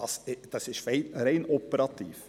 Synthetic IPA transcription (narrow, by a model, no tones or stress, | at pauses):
ɑsd̥ɑsɪʃreɪreɪnopəɾɑt̪ḭːf